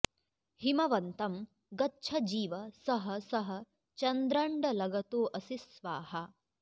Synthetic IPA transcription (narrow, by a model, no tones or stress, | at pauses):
himɐʋɐnt̪ɐm | ɡɐtːt͡ʃʰɐd͡ʒiːʋɐsɐɦɐ̆sɐɦɐ̆ | t͡ʃɐnd̪ɾɐɳɖɐlɐɡɐt̪oːʔɐsisʋaːhɐ